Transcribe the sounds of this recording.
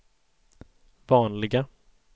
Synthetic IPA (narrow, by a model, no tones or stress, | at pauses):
vɑːnlɪɡa